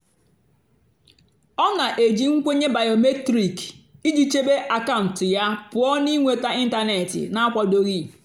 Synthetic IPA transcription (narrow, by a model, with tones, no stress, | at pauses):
ɔ˦na˨ʔe˨d͡ʒi˨ŋ̩˦kʷe˦ɲe˦ba˨jo˨me˦tɾi˨ki˦d͡ʒi˦t͡ʃe˦be˦ʔa˨ka˦˨ʊ˨n̩˨tja˦pʊ˨˦ɔ˦ni˦ŋʷe˨ta˦i˦n̩˦ta˦ne˨tɪ̰˨na˦a˦kʷɔ˨do˦ɣi˦˨